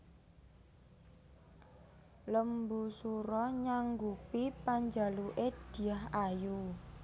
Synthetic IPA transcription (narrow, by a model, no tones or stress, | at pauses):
ləmbusuɾɔɲaŋɡupipaɲd͡ʒaluʔed̥i̤aɦaju